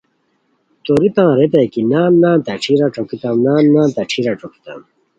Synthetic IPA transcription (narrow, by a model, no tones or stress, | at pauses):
t̪oɾit̪ãːɾet̪̬ɐjkinaːnnãːt̪aʈ͡ʂʰiɾaʈ͡ʂokit̪ãmnaːnːãːt̪aʈ͡ʂʰiɾaʈ͡ʂoki̥t̪ã̰m